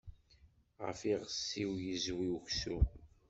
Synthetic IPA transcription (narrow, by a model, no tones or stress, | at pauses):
ʁə̰fiʁəsːiwjəzwiuçsu